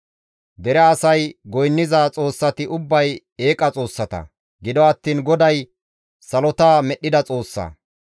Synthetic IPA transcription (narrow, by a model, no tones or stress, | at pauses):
d̪ɛɾɛɐsɐjɡɔjnːɪzaːt͡sʼo̞ːsːɐt̪ɪʔʊbːɐj | eːkʼɐt͡sʼo̞ːsːɐt̪ɐ̰ | ɡɪd̪ɔɐt̪ːiːnɡɔd̪ɐj | sɐlɔt̪aːmɛɗːɪd̪ɐt͡sʼo̞ːsːɐ̰